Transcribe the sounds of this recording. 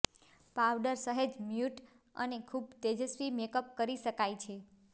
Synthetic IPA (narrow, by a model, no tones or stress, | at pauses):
pawɖəɾsəɦəd͡ʒmjuʈ | ə̰nekʰub̚t̪ed͡ʒəsʋimekəp̚kəɾiʃəkajt͡ʃʰe